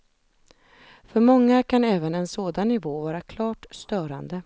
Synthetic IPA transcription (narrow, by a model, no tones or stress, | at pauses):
fœɾmɔŋːakʰanɛːvənɛnsoːd̪anːɪvoːvɑːɾakʰlɑːʈst̪œːɾa̰nd̪ə